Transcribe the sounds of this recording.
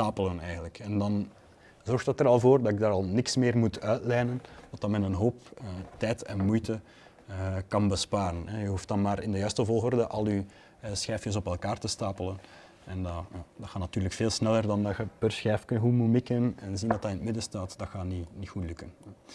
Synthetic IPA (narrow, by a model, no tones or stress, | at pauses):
staːpələnɛːjɣəntləkɛndɑn | zɔrxtətəɾɑlˠvoːrdɑtɪɡ̚daːɾɑlˠnɪksmɪːrmutʰœɥtlɛjnəndɑt̚dɑmɛnənɦoːpətɛjtɛnmujtə | əkɑnbəspaːɾənɛjəɦuftdɑnmaːɾɪndəjœɥstəvɔlˠɦɔrdəʔɑlˠy | sxɛːfjəs̬ɔpɛlˠkaːrtəstaːpələn | ɛndjadɑxaːnɑtyːrləkfeːlˠsnɛlərdɑndɑxəpərsxɛːfkənɦumumɪkənɛnzindɑtdɑɪnətmɪdəstaːtdɑxaːninixutlɵkən